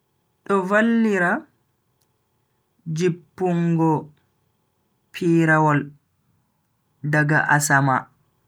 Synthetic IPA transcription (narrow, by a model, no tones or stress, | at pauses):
ɗɔvalːiɾa | d͡ʒipːuŋɡɔ | pʰiːɾawɔl | daɡa̰ʔasama